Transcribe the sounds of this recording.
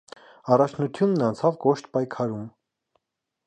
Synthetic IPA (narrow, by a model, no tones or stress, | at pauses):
ɑrɑt͡ʃʰnut̪ʰjunːɑnt͡sʰɑvkɔʃt̪pɑjkʰɑɾum